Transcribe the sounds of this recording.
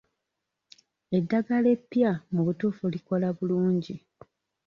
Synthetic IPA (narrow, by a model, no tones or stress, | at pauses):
e̞dːaɡale̞pːjamuβutuːfuliko̞laβuluːɲɟi